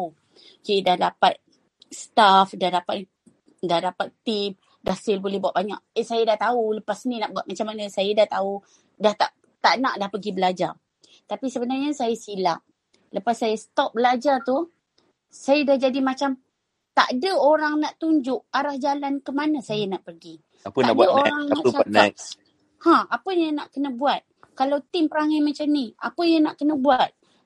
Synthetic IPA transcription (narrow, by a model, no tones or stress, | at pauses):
u | d͡ʒdahdapat̪̚ | sət̪afdahdapa | dahdapat̪ːim | dahsɪlbolɛhbuwaʔ̪̚baɲa̰ʔ̚sajadaht̪auləpasninaʔbuaʔ̪̚mat͡ʃamːanəsajədaht̪au | daht̪aʔ | t̪aʔnaʔdahpəɡibəlad͡ʒar | t̪apisəbənarɲəsajasila̰ʔ | ləpasːajasə̥t̪ɔp̚bəlad͡ʒart̪u | sajədahd͡ʒadimat͡ʃam | t̪a̰ʔdəoɾaŋnaʔt̪uɲd͡ʒʊʔaɾahd͡ʒalankəmanəsajənaʔpərɡi | apəadəoɾaŋmat͡ʃaa | hãapəjanaʔkənəbuat̪̚ | kalawt̪ɪmpəɾaŋajmat͡ʃamniʔa̰pəjanaʔkənəbuat̪̚